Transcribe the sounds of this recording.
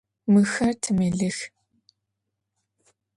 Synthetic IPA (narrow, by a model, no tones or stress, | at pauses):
mɨxɐrtʰɨmɨɮɨx